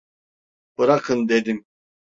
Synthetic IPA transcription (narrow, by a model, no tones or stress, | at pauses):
b̥ɯɾakʰɯnd̪ed̪im